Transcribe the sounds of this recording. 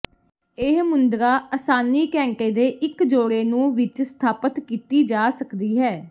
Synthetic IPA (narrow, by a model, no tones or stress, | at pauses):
eɦmʊnd̪ɾaːʔəsaːniːkɛ̃ːŋkeːd̪eːʔɪkd͡ʒoːɽeːnũːʋɪt͡ʃst̪ʰaːpət̪kiːt̪iːd͡ʒaːsəkd̪iːɦɛː